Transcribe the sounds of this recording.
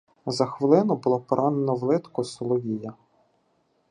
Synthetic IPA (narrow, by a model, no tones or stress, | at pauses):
zɐxʋɪlˠɪnɔbʊlˠɔpɔɾʔɑnenɔʋlˠɪt̪kɔsɔlˠɔʋʲijɐ